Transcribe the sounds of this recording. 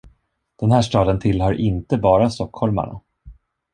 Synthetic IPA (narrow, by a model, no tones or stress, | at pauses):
d̪̥ɛnhæːʂtɑːd̪ənt̪ʰɪlɦœɾʔɪnt̪əbɑːɾast̪ɔkhɔlma̰ɳa̰